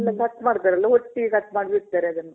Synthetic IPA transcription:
lːɐkɐt̪ːmaːɽt̪aːɾeɐlːɐɦoʈːiɡekɐt̪ːmaːɽʋiɾt̪ːaːɾeɐd̪ɐnːɐ

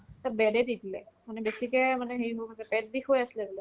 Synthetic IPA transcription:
tabɛdɛditilɛ̰manɛbesikɛmanɛɦejɦokatɛpɛt̚dixojasilɛbulɛ

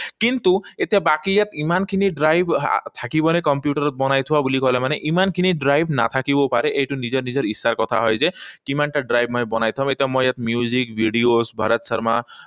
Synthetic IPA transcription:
kint̪uet̪jabakijat̪imankʰiniɖɾajb̰ʱt̪ʰakibɔnekɔmpjuʈɔɾɔt̪̚bɔnajt̪ʰuabulikɔɦlemaneʔimankʰiniɖɾajbʱna̰t̪ʰakibɔpaɾeʔejʈunid͡ʒɔɾnid͡ʒɔɾisːaɾkɔt̪ʰa̰ɦɔ̰jd͡ʒekimaɳʈaɖɾajbʱmɔjbɔnajt̪ʰuwam̃et̪jamɔjjat̪mjuzikbʱiɖiosbʱa̰ɾɔt̪sɔɾma̰

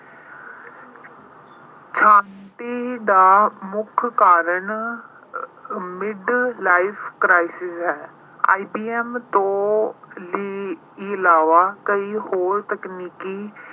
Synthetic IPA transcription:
t͡ʃʰãːɳʈiːd̪aːmʊkʰkaːɾəɳ | mɪɖlaːɪpʰkɾaːɪsɪsɦɛː | a̰ːibiːɛmt̪õːliː | iɪlaːʋaːkəiːhoːɾt̪əkniːkiː

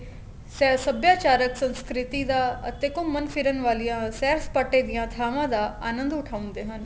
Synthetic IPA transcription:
sɛːsəbjaːt͡ʃaːɾəksə̃nskɾɪt̪id̪aːət̪ekʊmːənfʰɪɾənʋaːlijãːsɛːɾspaʈːed̪ijãːt̪ʰaːʋãːd̪aːaːnə̃nd̪ʊʈʰaːʊ̃nd̪eːɦən

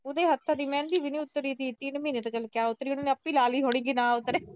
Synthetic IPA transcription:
ʊd̪eːɦət̪ʰːãːd̪iːmɛ̃ːnd̪iːbɪniːʊt̪ːəɾiːt̪iːt̪ɪnmĩːnət̪kəlkɪjaːʊt̪ːəɾiːʊnãːnẽəpːiːlaːliːɦoːɽĩːɡiːnãːʊt̪ːəɾeː

